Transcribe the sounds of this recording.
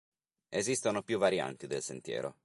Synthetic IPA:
ezist̪onopjuvːaɾja̰nt̪id̪elsent̪jɛ̰ːɾʔo̰

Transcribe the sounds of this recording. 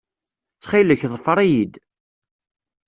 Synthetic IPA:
t͡sːχiləçðˤəfəɾˤijid̪

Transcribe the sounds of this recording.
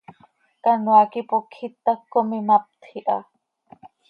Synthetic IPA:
kanoakipokʰit̪akːomimap̚t̪ʰiʔa̰

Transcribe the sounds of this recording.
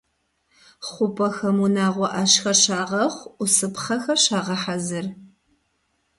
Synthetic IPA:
χʷʊpʰʼɐxɐmunaːʁʷɔʔɐɕxɐrʃaːʁɐχʷʊsɨpχɐxɐɕaːʁɐħazɨr

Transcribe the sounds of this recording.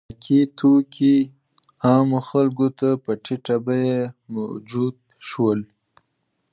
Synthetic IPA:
akʰit̪ʰokʰi | ɑmoxalɡot̪apəʈiʈabajema̰wd͡ʒud̪̚ | ʃwəl

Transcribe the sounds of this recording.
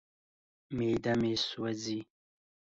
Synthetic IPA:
meːd̪ameswazi

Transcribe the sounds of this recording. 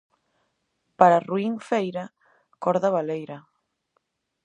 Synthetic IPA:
paɾaruiŋfejɾɐ | kɔɾðɐβalejɾɐ

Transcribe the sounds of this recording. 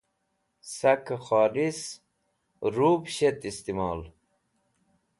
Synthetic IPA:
sɐkaxaːlis | ɾuːbɕet̪ist̪imɑːl

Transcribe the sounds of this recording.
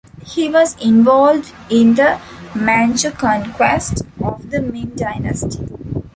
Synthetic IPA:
hiːʋɔːzɪ̃nʋɔːlɖ | ɪ̃nd̪əmæ̃nt͡ʃəkɔ̃ːnkwesʈɔʋd̪əmẽːnɖaɪnə̰sʈi̥

